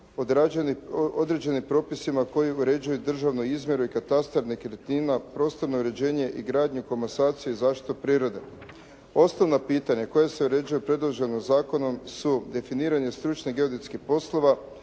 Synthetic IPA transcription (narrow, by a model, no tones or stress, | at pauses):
od̪ɾad͡ʒniod̪ɾe̞d͡ʑe̞nimpɾo̞ːpisimako̞jiuɾe̞d͡ʑujud̪r̩ʒaʋnuizmje̞ɾuikat̪ast̪aɾnikɾet̪ninapɾo̞ːst̪o̞ɾnouɾe̞d͡ʑe̞ːɲe̞ʔiɡɾaːd̪ɲuko̞masaːt̪sijeizaːʃt̪i̥t̪upɾiːɾo̞d̪e̞ | o̞snoʋnopiːt̪aɲako̞jese̞uɾe̞d͡ʑujupɾe̞d̪lˠoʒe̞nozaːko̞no̞msud̪e̞finiːɾaɲe̞st̪ɾut͡ʃneɡe̞od̪it̪skixpo̞slˠo̞ʋa